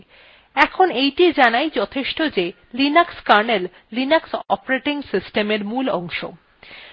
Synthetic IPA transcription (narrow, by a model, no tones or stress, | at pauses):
ɛkʰonejʈid͡ʑanajd͡ʑɔt̪ʰeʃʈod͡ʑe | linakskaɾnelː | inaksɔpɾeʈiŋsisʈemeɾmulɔŋʃo̰